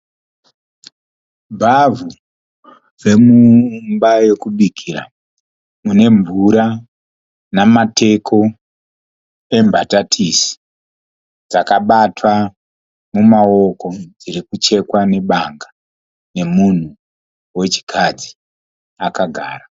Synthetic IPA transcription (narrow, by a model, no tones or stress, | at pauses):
bʱavu | re̞mumbaje̞kuɗikʰiɾa̰ | mune̞ɱvuɾa | namatʰe̞kʰo̞ | e̞mbʱatatʰisi̥ | d͡zakaɓatwa | mumao̞ko̞d͡ziɾikut͡ʃe̞kwane̞ɓaŋɡa | ne̞mun̤u | we̞t͡ʃi̥kʰad͡zi̥ | akaɡʱa̰ːra